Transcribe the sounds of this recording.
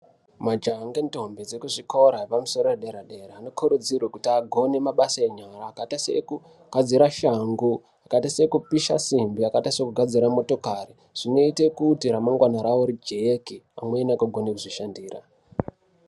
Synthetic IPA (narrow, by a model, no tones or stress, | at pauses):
mad͡ʒaŋɡento̞mbed͡zekuʐiko̞ɾapamuso̞ɾoreɗeɾaɗe̞ɾaːno̞kʰuɾud͡zirwekutiaɡʱo̞ne̞maɓasaeɲaɾaːkatasḛku | ɡ̥ʱad͡ziɾaʃaŋɡu | akaitasekupiʃa̰simbiakatasekuɡʱad͡ziɾamo̞to̞kari | ʐ̥ino̞itekuːtiɾamaŋɡwanaɾawoɾid͡ʒejekiamweːnakoɡʱo̞nekuʐiʃandiːra̰